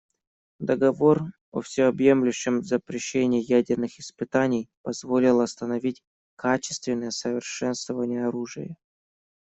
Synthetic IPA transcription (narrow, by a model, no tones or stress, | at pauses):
d̪əɡɐvo̞r | o̰fsʲɪɐbje̞mlʲʉɕːɪmvzəpɾʲɪɕːenʲɪːjædʲɪrnɨxɪspɨt̪anʲɪjpɐzvo̞lʲɪlˠɐst̪ənɐvʲitʲ | kʰat͡ɕɪ̥st̪vʲɪnːəjəsəvʲɪrʂɛnst̪vəvənʲɪjəɐɾuʐɨjə̰